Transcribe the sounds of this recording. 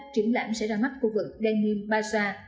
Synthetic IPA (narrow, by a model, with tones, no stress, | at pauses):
t͡ɕi˨˩əŋla̰ː˧˨msɛ̰˧˥zaː˧˩jma˦˥t̚xu˧vɨ˨˩k̚ɗɛ˧nːi˧mɓaː˧saː˧